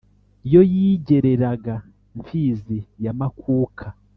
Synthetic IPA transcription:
ijo̞jiɟe̞ɾe̞ɾaɡa | ɱfiːzijamakʰuːkʰa

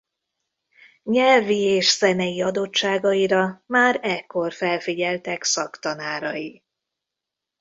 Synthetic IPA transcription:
ɲɛlvieːʃsɛnɛjiɒd̪o̞t͡ʃːaːɡɒiɾɒmaːɾɛkːo̞rfɛlfiɟɛlt̪ɛksɒkt̪ɒnaːɾɒji

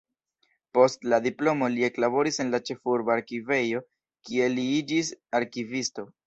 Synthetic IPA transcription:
po̞stladiplo̞mo̞lie̞klabo̞ɾise̞nlat͡ʃe̞fuɾbaaɾkive̞jo̞ | kie̞liid͡ʒisaɾkivisto̞

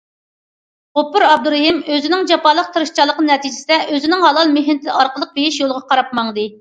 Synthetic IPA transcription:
ʁʊpːʊɾɑb̚d̪uɾeɦimøzɪnɪŋd͡ʒɑpɑlˠːəq̚t̪ʰɨɾɨʃt͡ʃʰɑlˠəqənɨnɛt̪ʰid͡ʒɪsɪd̪ɛʔøzɪnɪŋɦɑlˠɑlˠmeɦɪnt̪ʰɪɑɾqəlˠəq̚bejiʃjolˠʁɑqʰɑɾɑp̚mɑŋd̪ɨ

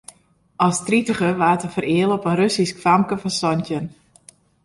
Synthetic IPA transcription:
ʔɑstritəχəʋaːtəfərɪːəlˠɔpənrøsiskfamkəfɑnsɔntjən

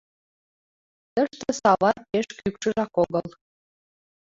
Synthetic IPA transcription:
t̪ə̆ʃt̪ə̆sɑβɑt̪̚peʃkykʃɤ̆ʒɑkoɣɤ̆l

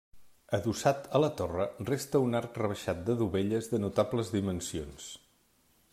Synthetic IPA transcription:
əðusat̪ələt̪orərest̪əunaɾkrəβ̞əʃat̪̚d̪əðuβeʎəzðənut̪apləzðimənsions

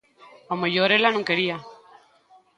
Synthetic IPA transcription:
amojoɾelanũŋkeɾia

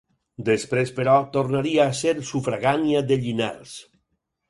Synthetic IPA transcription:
d̪espɾespeɾɔt̪oɾnaɾiaːseɾsufɾaɣaniadðeʎina̰ɾs

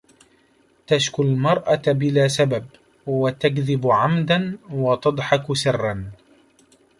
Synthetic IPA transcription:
t̪aʃkʊlmɑɾˤʔabɪlaːsabab | wat̪aɡðɪbʕamd̪anwɑt̪ɑd̪ˤħɑksɪrːɑn

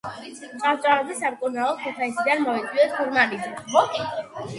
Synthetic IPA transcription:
t͡ʃʼat͡ʃʼaazɛsamkʼunaɔɛt̪ʰaisid̪anmɔit̪sʼwiɛspʰɔɾmaɾiziɔ

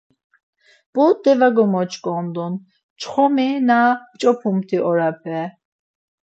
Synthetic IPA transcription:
b̥ɔd̪ɛvaɡɔmɔt͡ʃʰʼkʼɔ̃nd̪ɔn | t͡ʃʰχɔminat͡ʃʼɔpʰumt̪ʰiʔɔɾapʰɛ

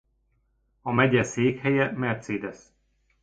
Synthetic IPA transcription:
ɒmɛɟɛseːkhɛjɛmɛrt̪seːd̪ɛs

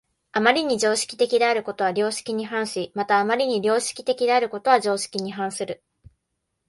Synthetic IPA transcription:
amaɾʲiɲ̟id͡ʑo̞ːɕi̥kʲi̥t̪e̞kʲid̪e̞aɾɯ̟ko̞t̪o̞β̞aɾʲo̞ːɕi̥kʲiɲ̟iɦãɰ̃ɕimat̪aːmaɾʲiɲ̟iɾʲo̞ːɕi̥kʲi̥t̪e̞kʲid̪e̞aɾɯ̟ko̞t̪o̞βaʑo̞ːɕi̥kʲiɲ̟iɦãɰ̃sɨɾɯ̟

